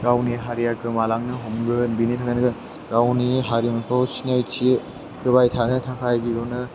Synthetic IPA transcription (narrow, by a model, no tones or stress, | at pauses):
ɡawniɦaɾijakʰɯmalaŋnɯɦɔmɡɯnbinitʰakanɯɡɯ | ɡawniɦaɾimakʰɔwsinajt͡ʃʰi | dɯbajtʰanɯtʰakʰajɡiɡɔnɯ